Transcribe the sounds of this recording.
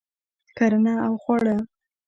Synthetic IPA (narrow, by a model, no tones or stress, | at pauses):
kaɾanɑawxwaɽa